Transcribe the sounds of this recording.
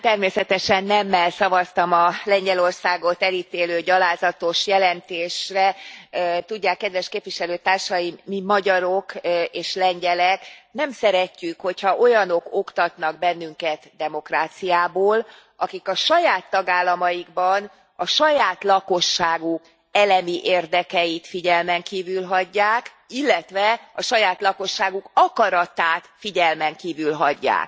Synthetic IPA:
t̪ɛrmeːsɛt̪ɛʃɛnːɛmːɛlsɒvɒst̪ɒmɒlɛɲɟɛlo̞rsaːɡo̞t̪ɛlit̪eːløːɟɒlaːzɒt̪o̞ʃjɛlɛnt̪eːʃrɛ | t̪uɟːaːkːɛd̪ʋɛʃkeːpʋiʃɛløːt̪aːrʃɒjimmimɒɟɒɾo̞keːʃlɛɲɟɛlɛknɛmsɛɾɛcːykho̞chɒʔo̞jɒno̞ko̞kt̪ɒt̪nɒɡ̚bɛnːyŋkɛt̪d̪ɛmo̞kraːt̪sijaːboːl | ʔɒkikɒʃɒjaːt̪ːɒɡaːlːɒmɒjiɡbɒn | ɒʃɒjaːt̪lɒko̞ʃːaːɡuk | ɛlɛmiʔeːrd̪ɛkɛjit̪fiɟɛlmɛŋkiːvylɦɒɟːaːk | ilːɛt̪ʋɛɒʃɒjaːt̪lɒko̞ʃːaːɡukɒkɒɾɒt̪aːt̪fiɟɛlmɛŋkiːvylɦɒɟːa̰ːk̚

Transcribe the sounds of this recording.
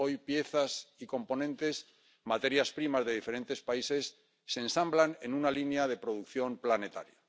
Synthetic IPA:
ojpje̞θasiko̞mpo̞nẽnt̪e̞s | mat̪e̞ɾjaspɾimazðe̞ðifeɾe̞nt̪e̞spaise̞sː | e̞nsamblane̞nunalinjaðe̞pɾo̞ð̞ukθjo̞mplane̞t̪aɾja

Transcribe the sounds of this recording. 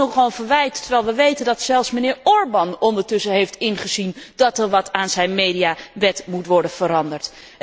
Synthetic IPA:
ɔχʋownvəɹʋɛjtːəɹʋɛjlˠʋəʋejtəndɑtsɛlˠfsmənɪːɹɔɹbɑnɔndəɹtɵsəɦejftɪnχəzindɑtɛɹʋɑtaːnzɛjnmejdijaʋɛtmutʋɔɹdənv̥əɾɑndəɹt

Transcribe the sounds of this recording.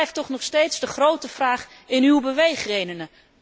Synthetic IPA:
ɛjftɔχnɔχstejtsdəχrowtəv̥raːχ | ɪnywbəʋejχrejdənə

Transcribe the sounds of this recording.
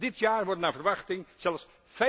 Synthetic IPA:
dɪtjaːɹʋɔɹənaːvəɹʋɑχtɪŋz̥ɛlˠfs | fɛ

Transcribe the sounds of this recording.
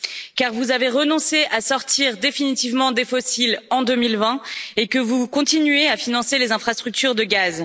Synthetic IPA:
kaʁvuzaveʁənɔ̃seʔasɔʁt̪iʁd̪efinit̪ivmɑ̃d̪efɔsilɑ̃d̪əmilvɛ̃ekəvukɔ̃t̪inɥeafinɑ̃selezɛ̃fχast̪χyk̚t̪yʁd̪əɡaz

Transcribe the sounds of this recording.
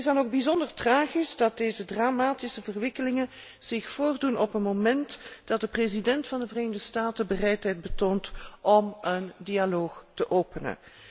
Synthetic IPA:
tɪzdɑnoɡ̚bizɔndərtraːɣisdɑt̚deːzədramaːtisəvərʋɪkəlɪŋən | z̥ɪxfoːrdunɔpənmomɛntd̥ɑt̚dəprezidɛntfɑndəvreːnəɣdəstaːtəbərɛjtɦɛjt̚bətoːntʔɔməndialoːxtəʔoːpənə̰

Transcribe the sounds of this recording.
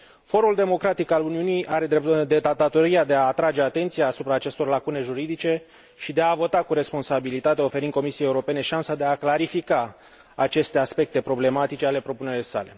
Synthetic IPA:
fo̞ɾuld̪e̞mo̞kɾat̪ikaluniunijʔaɾe̞d̪ɾepd̪et̪at̪at̪o̞ɾiad̪e̞aːt̪ɾad͡ʒe̞at̪e̞nt̪sijaːsupɾaːt͡ʃe̞st̪o̞rlakune̞ʒuɾid̪it͡ʃe̞ | ʃid̪e̞avo̞t̪akuɾe̞spo̞nsabilit̪at̪eo̞feɾind̪ko̞misiejeuɾo̞pe̞ne̞ʃansad̪e̞aklaɾifikaː | t͡ʃe̞st̪e̞aspe̞k̚t̪e̞pɾo̞ble̞mat̪it͡ʃe̞ale̞pɾo̞pune̞ɾilesa̰le̞̰

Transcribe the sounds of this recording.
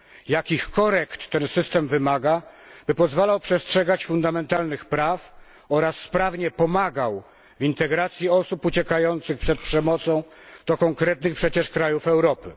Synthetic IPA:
jakʲixkɔɾɛkt̪ːɛnsɘst̪ɛmvɘmaɡa | bɘpɔzvalawpʂɛstʂɛɡat͡ɕfund̪amɛnt̪alnɘxpɾaf | ɔɾasːpɾavɲɛpɔmaɡaw | vint̪ɛɡɾat̪sʲjiɔsuput͡ɕɛkajɔnt̪sɘxpʂɛt̪̚pʂɛmɔt̪sɔ̃w̃ | d̪̥ɔkɔŋkɾɛt̪nɘxpʂɛt͡ɕɛʂkɾajufɛwɾɔpɘ̰

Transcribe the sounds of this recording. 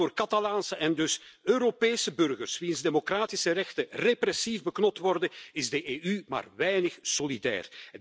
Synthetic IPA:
oːrkɑtɑlaːnsəʔɛndɵsøːɾopeːsəbɵrɣərsʋinzdemokraːtɪsərɛxtəreprɛsivbəknɔp̚tʋɔrdənɪzdəʔeːʔyma̰ːrʋɛjnəxsolidɛ̰ːr

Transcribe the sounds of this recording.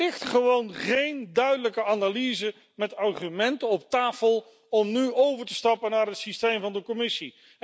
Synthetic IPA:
ɪχtχəʋownχejndœɥdələkəaːnalizə | mɛtɑɹχymɛntənɔp̚taːfəlˠ | ɔmnyowvəɹtəstɑpənaːɹɦətsistejmvɑndəkɔmɪsi

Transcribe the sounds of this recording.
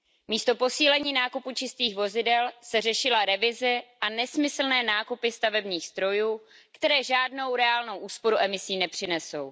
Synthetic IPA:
miːst̪o̞po̞siːlɛɲiːnaːkuput͡ʃɪst̪iːxvo̞zɪdɛlsɛr̝ɛʃɪlaɾɛvɪzɪʔanɛsmɪsl̩nɛːnaːkupɪst̪avɛbɲiːxz̥t̪ɾo̞juː | kt̪ɛɾɛːʒaːdno̞wɾɛaːlno̞wʔuːspo̞ɾuʔɛmɪsiːnɛpr̝̥ɪnɛso̞w

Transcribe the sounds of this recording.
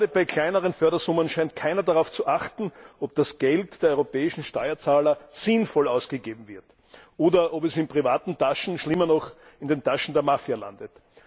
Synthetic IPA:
dəbaɪkʰl̥aɪnəʁənfœɐdɐzʊmənʃaɪnt̚kʰaɪnɐdaʁaʊft͡suʔaχtn̩ʔop̚d̥asɡ̥ɛltd̥eːɐɔʁopɛːɪʃn̩ʃtɔʏɐt͡saːlɐsɪnfɔlaʊsɡ̥əɡeːbm̩vɪɐt | ʔoːdɐʔɔpɛsɪnpʁ̥ivaːtn̩taʃn̩ʃlɪmɐnɔχ | ɪndentaʃn̩deːɐmafjala̰ndət

